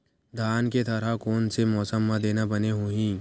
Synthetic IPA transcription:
d̪ʱaːnket̪ɐɾakɔːnsemɔːsəmːãd̪eːnabɐneɦoːɦĩː

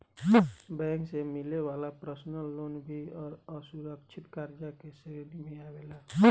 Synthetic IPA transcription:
bɛ̃ŋksemileʋalapɾəsnəlːonbʱiɔɾəsuɾəkt͡ʃʰit̪kaɾd͡ʒakeseɾeɾimeabela

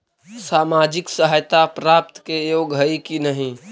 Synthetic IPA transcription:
saːmad͡ʒɪksəɦajt̪apɾaːp̚t̪kejoːɡɦəikinəɦĩ

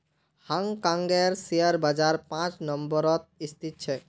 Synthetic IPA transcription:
haŋkãŋɡeɾsiaɾbad͡ʒaɾpãt͡ʃnɔmbɔɾɔt̪̚ist̪ʰit̪̚t͡ʃʰɛ

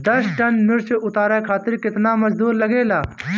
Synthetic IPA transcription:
d̪ɐsʈɐnmɪɾt͡ʃʔʊt̪aːɾaːkʰaːt̪ɪɾkɪt̪naːmɐzd̪uːɾlɐɡeːlaː

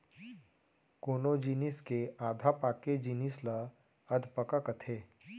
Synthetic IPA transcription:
koːnod͡ʒiːnɪskeaːd̪ʱapaːked͡ʒiːnɪsla | ɐd̪ʱpəkakət̪ʰeː

